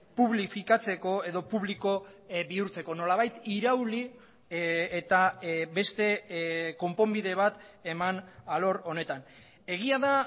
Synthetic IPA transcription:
puβlifikat͡se̞ko̞e̞ðo̞puβliko̞βiuɾt͡se̞ko̞no̞laβ̞ajt̪iɾawli | et̪abe̞st̪e̞ko̞mpo̞mbiðe̞β̞at̪e̞manalo̞ɾo̞ne̞t̪an | e̞ɣ̞iaða

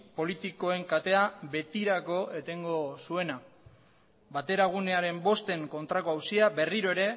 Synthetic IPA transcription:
po̞lit̪iko̞e̞ŋkat̪e̞aβe̞t̪iɾako̞e̞t̪e̞ŋɡo̞sue̞na | bat̪e̞ɾaɣ̞une̞aɾe̞mbo̞st̪e̞ŋko̞nt̪ɾako̞awsiabe̞riɾo̞e̞ɾe̞

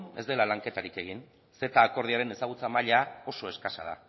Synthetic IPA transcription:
ne̞zd̪e̞lalaŋke̞t̪aɾike̞ɣ̞in | se̞t̪aːko̞ɾð̞iaɾe̞ne̞saɣ̞ut͡samaʎao̞so̞e̞skasa̰ð̞a̰

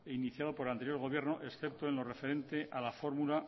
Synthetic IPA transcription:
einiθjaðo̞po̞ɾant̪eɾjo̞ɾɣ̞o̞β̞je̞ɾno̞ʔe̞sθe̞p̚t̪o̞enlo̞re̞fe̞ɾẽ̞nt̪e̞ʔalafo̞ɾmula

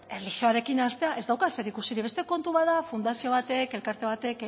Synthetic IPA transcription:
erlixio̞aɾe̞kinast̪e̞aʔe̞zd̪awkase̞ɾikusiɾiβe̞st̪e̞ko̞nt̪uβaðafund̪asio̞β̞at̪e̞ke̞lkaɾt̪e̞β̞at̪e̞k

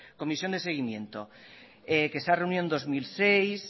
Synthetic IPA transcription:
ko̞misjo̞nd̪e̞seɣ̞imjẽ̞̰nt̪o | ekesarewnjond̪ozmilsejs

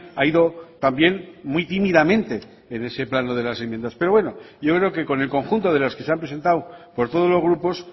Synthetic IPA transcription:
aiðo̞t̪ambje̞nmuit̪imiðamẽ̞nt̪e̞ː | ne̞se̞planoð̞e̞lase̞mje̞nd̪aspe̞ɾowe̞no̞ɟ͡ʝo̞kɾe̞oke̞ko̞ne̞lko̞ŋxunt̪o̞ð̞e̞lo̞ske̞seampɾe̞se̞nt̪awpo̞ɾt̪o̞ð̞o̞zlo̞zɣɾupo̞s

